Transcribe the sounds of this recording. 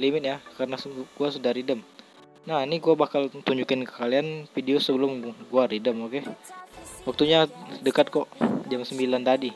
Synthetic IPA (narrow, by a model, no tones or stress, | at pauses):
limɪt̪̚jakarənasɡ̥uasudahɾidəm | nahniɡuabakalt̪uɲd͡ʒukɪnkə̥kalianfideosəbəlʊmɡuaridəmoke | wak̚t̪uɲadəkat̪̚kɔʔd͡ʒamsəmbilant̪adi